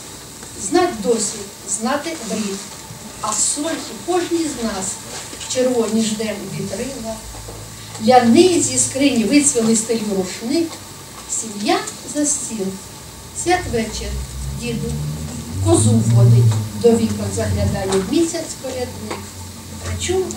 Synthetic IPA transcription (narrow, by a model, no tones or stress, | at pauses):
znɑt̪̚ʲd̪ɔsʲʋʲit | znɑt̪ɪʋʲit̪ | ɐsɔlʲkikɔʒnʲijznɑst͡ʃeɾʋɔnʲiʒd̪ɛnʋʲit̪ɾɪlˠɐ | lʲɐnɪjzʲiskɾɪnʲiʋɪsʲʋʲɪlˠɪst̪ɔjʲimɾʊʃnɪk | sʲimʲja | zɐsʲt͡sʲin | sʲat̪ʋɛt͡ʃɛndʲid̪ʊkɔzuʋɔnɪjʲd̪ɔʋʲikɔzɐɦlʲɐd̪ɑnʲɐmʲisʲɐsʲpɔɾʲɐd̪nɪk | ɐt͡ʃɔ